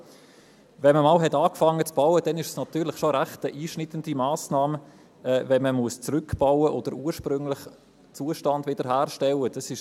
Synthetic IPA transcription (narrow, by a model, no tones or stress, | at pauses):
vɛnməmɑːlɦɛtɑːkfɑŋːət͡sb̥aʊəd̥ɛnɪʃəsnɑt̪yːɾlɪχʃoɾæχtəʔiːʃnɪtəndimaːsnɑːm | ɛːvɛnməmuəst͡sɾʏkb̥awəʔod̥̪əɾuːɾʃpɾʏŋlɪχ | t͡suəʃtɑndvɪd̥əɾɦæːɾʃtɛləd̥ɑsɪʃ